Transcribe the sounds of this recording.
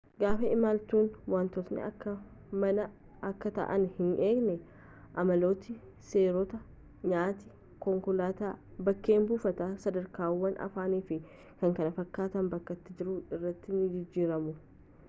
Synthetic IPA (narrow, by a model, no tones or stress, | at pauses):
ɡaːfɛɪmaːlt̪uːnwaːnt̪ɔsnɛ̰ɐkːɐ | mɐnɐ | ɐkːɐt̪ɐ̰ʔɐ̰nhɪnʔe̞ːɡnɛ | ʔɐmɐlo̞ːt̪ɪ | se̞ːɾɔt̪ɐ | ɲaːt̪ɪ | kɔŋkʊlaːt̪aːbɐkːe̞ːmbuːfɐt̪aːsɐd̪ɐɾkaːwːɐnʔɐ̰faːniːfɪ | kɐŋkɐnɐfɐkːaːt̪ɐnbɐkːɐt̪ːɪd͡ʒɪɾʊɪrːɐt̪ːɪnɪd͡ʒɪd͡ʒːiːɾɐmʊ